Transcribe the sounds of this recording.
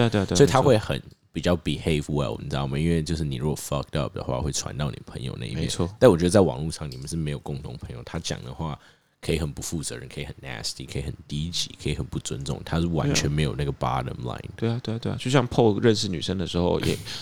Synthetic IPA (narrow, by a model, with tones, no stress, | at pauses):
t̪we˥˧sɔ˧˥i˨t̪ʰa˥xwe˥˩ɪxə̰˨˩npi˨˩t͡ɕjɑ˥˩ʊpi˨he˥˩ɪfwɛ̰˨˩lwɔ̰˨n˨˩jɑ˥˩ma˨˩i˦˥nwe˥ɪt͡ɕjo˥˧ʊʂ̬ɻ̩˥˩ni˨˩ɻu˥ɡɔ˨˩fɑ˧k̚tʌ˥˨p̚d̪ə̰˨xwa̰˥˧xwe˥˩ɪʈ͡ʂʰwa̰˧˦nt̪ɑ˥˧ʊni˨˩əpʰə̰˧˦ŋjo˨˧ʊna̰˥˩ḭ˥m˧jɛ˨ɔ˥˩t̪nwɔ˨˩t͡ɕɥd̪ə˧t͡swɑ̰˨˩ŋlu˥˧ʂɑ˥˩ŋni˨˩mə˨˦nʂɻ̩˥˩me˧˥ɪjo˨˩ʊkʊ˥˩ŋt̪ʰʊ˧˥ŋpʰə˧˦ŋjo˥˨˩ʊt̪ʰa˥t͡ɕjɑ̰˨˩ŋd̪ə̰˦xwa˥˩ | kʰɤ˧˥i˧˥xə˨˩npu˧˥fu˥˩t͡sɤ̰˧˦ɻə̰˧˦nkʰə˧˥i˧˩xə˨˩næ˧˥st̪ḭ˨˩kʰə˧˥i˧xə˨˩nt̪i˥t͡ɕḭ˨˥kʰə˧˥i˧xə˨˩npu˥˩t͡swə˦˥nt͡sʊ̰˥˩ŋt̪ʰa˥˩wa̰˧˦nt͡ɕʰɥɛ˧˥nme˧˥ɪjo˨˩ʊna˥˩ɡə˩bɑ̰˥ɾə̰˧mla̰˧˥ɪnwe˥˧a˨˩t̪we˥˧t̪we˥˧t͡ɕo˥˧ɕjɑ˥˧ŋpʰo˥˧ʊɻə˥˧nʂɻ̩˥˩ny̰˨˩ʂə˥ŋd̪ə˨ʂɻ̩˧˥xo˥˧ʊjɛ̰˨˩